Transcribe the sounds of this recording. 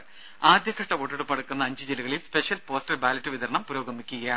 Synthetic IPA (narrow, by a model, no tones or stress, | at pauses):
aːd̪jɐkʰɐʈːɐoʈːuɽupɐɽɐkːunːɐːɲd͡ʑɨd͡ʑilɐɣɐɭilspeʂjɐlpo̞ːsʈɐlbaːlɐtːɨʋiðɐɾɐɳɐmpuɾo̞ːɡɐmikʲːuɣɐjaː